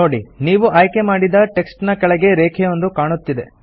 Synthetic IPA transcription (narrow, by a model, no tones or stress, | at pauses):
o̞ːɽiniːʋuʔaːjke̞maːɽid̪ɐʈe̞ksʈnɐkɐɭɛɡe̞ɾeːkʰejo̞nd̪ukaːɳut̪ːid̪e̞̰